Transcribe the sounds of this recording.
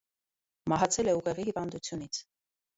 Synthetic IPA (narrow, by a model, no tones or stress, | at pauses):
mɑɦɑt͡sʰɛlɛuʁɛʁihivɑnd̪ut͡sʰjunit͡sʰ